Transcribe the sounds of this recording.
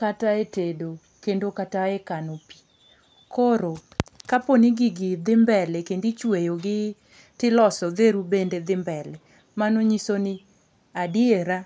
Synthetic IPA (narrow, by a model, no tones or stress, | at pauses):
kataetedo | kendokataekanopi̥ | koɾokaponɪɡɪɡɪd̪ɪmbɛlɛkendit͡ʃwejoɡɪ | tɪlɔsɔðeɾubended̪ɪmbɛlɛ | manoɲisonɪ | adɪeɾa